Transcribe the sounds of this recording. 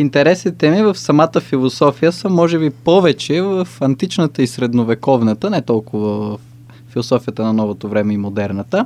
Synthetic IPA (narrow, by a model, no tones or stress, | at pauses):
int̪ɛɾɛsnit̪ɛmivəfsɐmat̪əfilˠosɔfijəsəmɔʒɛbipɔvɛt͡ʃɛvəfɐnt̪it͡ʃnət̪əisɾɛd̪novɛkɔvnɐt̪ənɛt̪ɔlˠkʊvəvəfː | ilˠosɔfijət̪ənɐnɔvot̪ovɾɛmɛimod̪ɛɾnət̪ə